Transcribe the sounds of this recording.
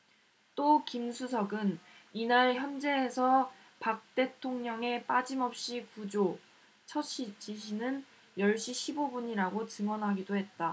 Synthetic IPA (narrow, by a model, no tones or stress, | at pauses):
t͈okimsʰusʰʌɡɯninaɭçjʌnd͡ʑe̞ːsʰʌ | pak̚t͈e̞tʰoŋɲʌŋe̞p͈ad͡ʑimʌp̚ɕ͈ikud͡ʑo | t͡ɕʰʌɕʰit͡ɕiɕʰinɯn | jʌɭɕ͈iɕʰibobuɲiɾaɡot͡ɕɯŋwʌnɦaɡidoɦe̞t̚t͈a